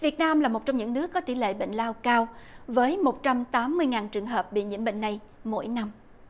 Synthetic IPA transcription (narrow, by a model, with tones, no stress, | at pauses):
vi˨˩ət̚naː˧mlaː˨˩mo˨˩t̚t͡ɕɔ˧wŋ͡mɲɨ̰˧˥ŋnɨ˦˥əkːɔ˨˦t̪i˧˩lḛ˧˨ɓḛ˧˨ŋ̟laː˧wkaː˧wvəː˨˦jmo˨˩t̚t͡ɕa˧mt̪aː˨˦mːɨ˧əjŋaː˨˩nt͡ɕɨ˨˩əŋɦəː˨˩p̚ɓḭ˧˨ɲḭ˧˥əmɓḭ˧˨ŋ̟na˨˩j | mo̰˧˥jna˧m